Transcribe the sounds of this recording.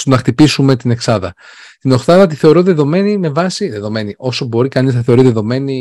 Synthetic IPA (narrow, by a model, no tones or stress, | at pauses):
st̪onɐxt̪ipisume̞t̪ine̞ksɐðɐ | t̪ino̞xθɐðɐt̪iθe̞o̞ɾoðe̞ðo̞me̞nime̞vɐsiðe̞ðo̞me̞niʔo̞sobo̞ɾikɐniznɐθeo̞ɾiðe̞ðo̞me̞ni